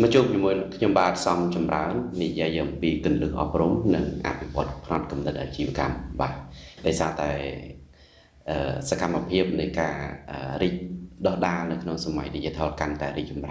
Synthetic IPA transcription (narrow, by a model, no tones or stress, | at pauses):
mət͡ɕuːp̚ɲimuənkʰɲomɓaːt̪̚sɑmt͡ɕɑmra̰ənːijiəjʔɑmpiːkɨənlɨːhʔɑ̰p̚rumnɨŋʔa̰ʔpʰiʋŏət̪̚pʰnɑt̪̚kɑmnɨt̪̚ʔat͡ɕiːʋəka̰mɓaːɗaɔjsaːt̪aɛ | ʔəːsakamːapʰiəp̚nɨjkaːʔəːriːc̚ɗɑhɗaːnɨwkʰnoŋsama̰jniciət̪ʰɑːlkant̪aɛɾiːk̚t͡ɕɑmra